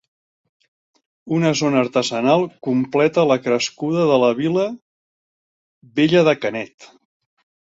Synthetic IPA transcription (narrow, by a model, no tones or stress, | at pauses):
unəzonəːɾt̪əzənalˠkumplɛt̪ələkɾəskuðəðələβilə | βeʎəðəkənɛt̪